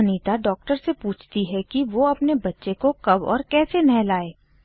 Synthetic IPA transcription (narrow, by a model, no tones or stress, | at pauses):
niːt̪aɖɔːk̚ʈəɾsepuːt͡ʃʰt̪iɦɛkiʋoɐpnebɐtːʃekokɐbɔ̰ːɾkɛːsenɛɦlaːeː